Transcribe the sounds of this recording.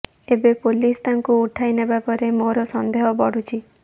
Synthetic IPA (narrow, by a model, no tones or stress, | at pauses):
ebepolist̪aŋkuːʈʰajnebapɔɾemoɾɔsɔnd̪eɦɔbɔɽ̤ut͡ʃʰi